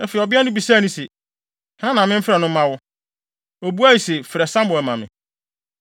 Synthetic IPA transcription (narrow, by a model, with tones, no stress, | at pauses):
ɛ˦fe˨ɔ˨bɪ˦a˦nʊ̃˦bi˨saː˦˨nʊ̃˦se˨ | hnã˦nã˨mɪ̃˦m̩˦fɾɛ˨nʊ̃˦ã˦wʊ˦ | o˨bu˦a˦ji˨se˨fɪ˨ɾɛ˨sã˦m˦bʊ˨ɛ˨mã˨mɪ̰̃˨